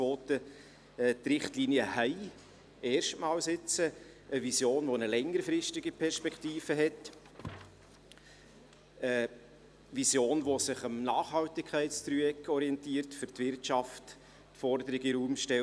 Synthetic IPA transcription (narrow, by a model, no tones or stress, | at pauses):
voːt̪ə | t̪ɾɪχtliːnjəhæɪ | ɛːɾʃtmɑːlsɪt͡sə | əvisjoːnʋonəlɛŋəɾfɾɪstɪɡipʰɛɾʃpɛkʰtiːfəɦɛt | ə | visjoːnʋosɪχəmnɑːχhɑltɪkʰːæɪtstɾyɛkʰɔɾiɛntiːəɾtfʏɾtvɪrtt͡ʃɑft | tfɔɾd̪əɾɪɡɪɾuːmʃtɛ